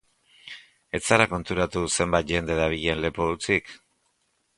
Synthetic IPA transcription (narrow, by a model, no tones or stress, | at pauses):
e̞t͡saɾako̞nt̪uɾat̪use̞mbajt̪̚ʝe̞nd̪e̞ðaβiʎe̞nle̞poðut͡sik